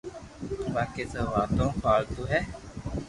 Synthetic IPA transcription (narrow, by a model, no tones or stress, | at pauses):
baːkeːt̪əːʋaːt̪õːfʰaːɭt̪uːɦɛː